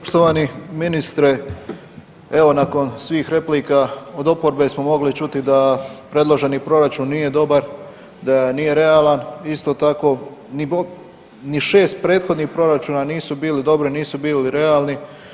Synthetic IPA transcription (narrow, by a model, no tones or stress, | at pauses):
poʃt̪oʋaniminist̪ɾe̞ | e̞ʋo̞nako̞nsʋiːxɾe̞pliːkao̞d̪o̞po̞ɾbe̞smo̞mo̞ɡlit͡ʃut̪id̪apɾe̞d̪lˠo̞ʒe̞nipɾo̞ɾat͡ʃuːnːije̞d̪o̞baɾ | d̪anije̞ɾe̞alanist̪o̞ːt̪ako̞ːni | niʃe̞ːst̪̚pɾe̞ːt̪xo̞d̪niːxpɾo̞ɾat͡ʃuːnaniːsubiːlid̪o̞bɾiniːsubiːliɾe̞alˠni